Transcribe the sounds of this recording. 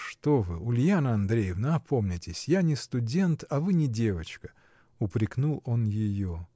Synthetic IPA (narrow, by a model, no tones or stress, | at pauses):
ʂt̪ovɨʊlʲjanəɐnd̪ɾʲejɪvnəɐpʰomnʲɪtʲɪsʲjanʲɪst̪ʊdʲe̞nt̪ɐvɨnʲɪdʲe̞vət͡ɕkə̥ | ʊpɾʲɪknulˠo̞njɪjo